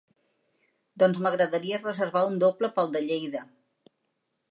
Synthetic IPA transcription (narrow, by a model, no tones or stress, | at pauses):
d̪ɔnzməɣɾəðəɾiərəzəɾβaund̪opləpəlˠd̪əʎejðə